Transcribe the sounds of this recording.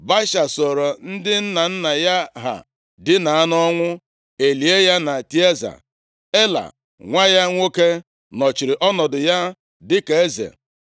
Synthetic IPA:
ba˦ʃa˨sɔ˨ɾo˨n̩˦dɪ˦n̩˦na˨n̩˦na˨ja˦ɦa̰˨ | dɪ˦na˨a˦nɔ˦ŋʷʊ˦ | e˨li˨e˦ja˦na˨ti˦e˦za̰˨ | e˦la̰˨ | ŋʷa˦ja˦ŋʷo˦ke˦ | nɔ˨t͡ʃi˨ɾɪ˨ʔɔ˦nɔ˨dʊ˨ja˦ | dɪ˦ke˨e˦zḛ˨

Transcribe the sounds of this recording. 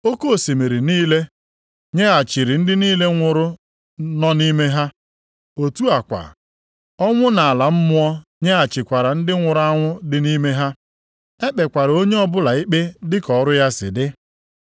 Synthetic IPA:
o˦ko˦˨se˨me˨ɾi˨niː˦le˦ | ɲe˦a˨t͡ʃɪ˨ɾɪ˨n̩˦dɪ˦niː˦le˦ŋʷʊ˨ɾʊ˦ | nɔ˦ni˦me˦ɦa˦ | o˨tu˦a˨kʷa̰˨ | ɔ˦ŋʷʊ˦na˨a˨la˨m̩˦mʊ˦ɔ˦ɲe˦a˨t͡ʃɪ˨kʷa˨ɾa˨n̩˦dɪ˦ŋʷʊ˨ɾʊ˦a˦ŋʷʊ˦dɪ˨ni˦me˦ɦa˦ | e˦k͡pe˨kʷa˨ɾo˦ɲe˦ɔ˦bʊ˦la˨i˦k͡pe˦dɪ˦kɔ˨ɾʊ˦ja˦sɪ̰˨dɪ˦

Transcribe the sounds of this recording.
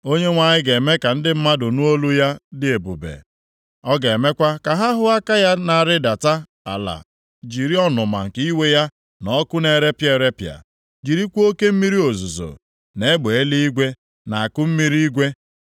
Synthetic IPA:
o˦ɲe˦ŋʷa˨ɲɪ˦ɡe˨me˦ka˨n̩˦dɪ˦m̩˦ma˦dʊ˨nʊ˦o˦lu˦ja˦dɪ˦e˨bʊ̰˨bḛ˨ | ɔ˦ɡe˨me˦kʷa˦ka˨ɦa˦ɦʊ˦a˦ka˦ja˦na˨ɾɪ˦da˨ta˦ | a̰˨la̰˨ | d͡ʒi˨ɾi˦ɔ˦nʊ˨ma̰˨ŋ̩˨ki˦we˦ja˦ | nɔ˦kʊ˦ne˨ɾe˦pje˦˨ɾe˦pja̰˨ | d͡ʒi˨ɾi˦kʷo˦ke˦m̩˦mi˦ɾi˦o˨zu˨zo̰˨ | ne˨˦e˦ɡ͡be˨e˦li˦i˦ɡʷe˦ | na˨a˨kʊ˦m̩˦mi˦ɾi˦i˦ɡʷe˦

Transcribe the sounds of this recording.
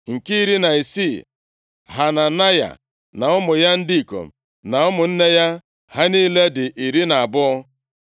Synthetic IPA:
ŋ̩˨ki˦i˦ɾi˦na˨i˨si˦˨ | ɦa˨na˨na˦ja̰˨ | na˨ɔ˦mʊ˨ja˦n̩˦di˦i˨ko̰˨ | na˨ɔ˦mʊ˨n̩˦ne˦ja˦ | ɦa˦niː˦le˦dɪ˨ʔi˨ɾi˦na˨a˨bʊ˦ɔ˦

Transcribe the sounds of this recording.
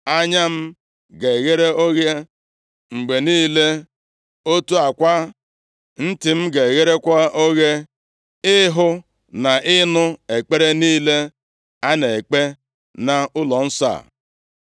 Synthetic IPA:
a˦ɲa˦m̩˦ | ɡe˨ɣe˦ɾe˦o˦ɣe˦ | ŋ͡m̩˨ɡ͡be˨niː˦le˦ | o˦tu˦a˨kʷa˦ | n̩˦tɪ˨m̩˦ɡe˨ɣe˦ɾe˦kʷa˦o˦ɣe˦ | ɪ˦ɦʊ˦ | na˨ʔɪ˦nʊ˦e˨k͡pe˦ɾe˦niː˦le˦ | a˦ne˨k͡pe˦ | na˨ʊ˦lɔ˨n̩˦sa̰˦˨

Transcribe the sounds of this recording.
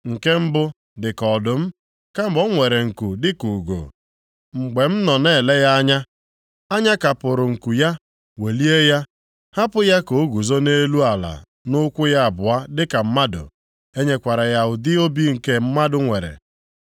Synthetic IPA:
ŋ̩˨ke˦m̩˦bʊ˦ | dɪ˨kɔ˨dʊ˨m̩˦ | ka˦˨ɡ͡bɔ˦ŋʷe˨ɾe˨ŋ̩˨ku˨dɪ˦ku˨ɡo̰˨ | ŋ͡m̩˨ɡ͡be˨m̩˦nɔ˨ne˦˨le˦ja˦a˦ɲa˦ | a˦ɲa˦ka˨pʊ˨ɾʊ˨ŋ̩˨ku˨ja˦ | we˨li˦e˦ja˦ | ha˦pʊ˦ja˦ko˨˦ɡu˨zo˦ne˦lu˦a˨la̰˨ | nʊ˦kʷʊ˦ja˦a˨bʊ˨a˦dɪ˦ka˨m̩˦ma˦dʊ̰˨ | e˦ɲe˦kʷa˨ɾa˨ja˦˨ʊ˨dɪ˦o˦bi˦ŋ̩˨ke˦m̩˦ma˦dʊ˨ŋʷe˨ɾḛ˨

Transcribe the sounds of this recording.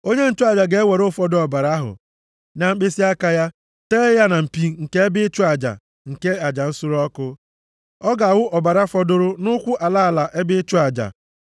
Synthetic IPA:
o˦ɲe˦n̩˦˨t͡ʃʊ˦a˨d͡ʒa˨ɡe˨e˦we˨ɾʊ˦fɔ˦dʊ˦ɔ˨ba˨ɾa˦ɦʊ̰˨ | na˨m̩˦k͡pe˦si˦a˦ka˦ja˦ | teː˦ja˦na˨m̩˨pi˦ŋ̩˨ke˦e˦bɪ˦t͡ʃʊ˦a˨d͡ʒa̰˨ | ŋ̩˨ke˦a˨d͡ʒa˨n̩˦sʊ˦ɾɔ˦kʊ˦ | ɔ˦ɡa˨wʊ˦ʔɔ˨ba˨ɾa˦fɔ˦dʊ˦ɾʊ˦nʊ˦kʷʊ˦ʔa˨la˦a˨la˨ʔe˦bɪ˦t͡ʃʊ˦a˨d͡ʒa̰˨

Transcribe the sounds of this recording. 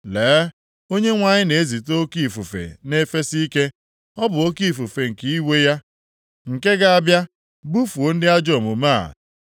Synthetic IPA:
leː˨˦ | o˦ɲe˦ŋʷa˨ɲɪ˦ne˨e˦zi˨to˦o˦ki˦˨fu˨fḛ˨ne˦fe˦si˦i˦ke˦ | ɔ˦bʊ˨o˦ki˦˨fu˨fe˨ŋ̩˨ki˦i˦we˦ja˦ | ŋ̩˨ke˦ɡa˨a˨bja˦ | bu˦fu˨o˨˦n̩˦dɪ˦a˦d͡ʒɔ˨mʊ˨ma̰˦˨

